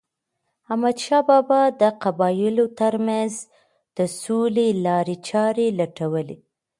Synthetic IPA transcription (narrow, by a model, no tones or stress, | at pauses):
amad̪ʃɑbɑbɑd̪əqabɑjɪlot̪əɾmanz | d̪̥əsolelɑɾet͡ʃɑɾelaʈawəle